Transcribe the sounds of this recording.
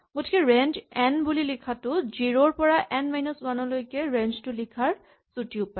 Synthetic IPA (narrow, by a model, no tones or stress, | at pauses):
ɡotʰi̥kɛɹɛnd͡ʒɛnbulilikʰatʊziɹoɹpɔɹaʔɛnmajnɔswanɔlojkɛɹɛnd͡ʒtʊlikʰaɹ | sutiʊpa